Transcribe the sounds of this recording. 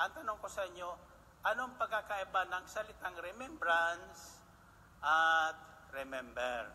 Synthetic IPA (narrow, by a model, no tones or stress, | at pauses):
ʔɐŋt̪ɐnoŋko̞sɐʔɪɲo̞ | ʔɐno̞ɐŋpɐɡ̚kːakɐʔɪbanɐŋsɐlɪt̪aŋɾɛmɛmbɾans | ʔat̪̚ | ɾɛmɛmbɛɹ